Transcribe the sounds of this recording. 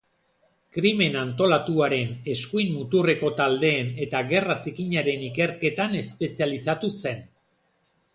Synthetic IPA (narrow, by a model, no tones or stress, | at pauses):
kɾime̞nant̪o̞lat̪uaɾe̞ne̞skujnmut̪ure̞ko̞t̪ald̪e̞ːne̞t̪aɣe̞rasikiɲaɾe̞nike̞ɾke̞t̪ane̞spe̞sialisat̪use̞n